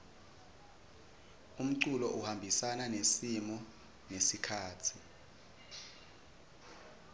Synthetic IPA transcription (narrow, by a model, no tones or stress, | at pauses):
um̩ǀulɔʔuhambʱisananesimɔ | nesikʰaːtʰi